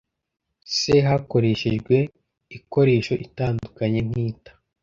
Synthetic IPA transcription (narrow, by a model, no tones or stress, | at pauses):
seɦako̞ɾe̞ʃiʒɡwe̞ | iko̞ɾe̞ːʃo̞ʔitaːndukaɲe̞n̥hiːtḁ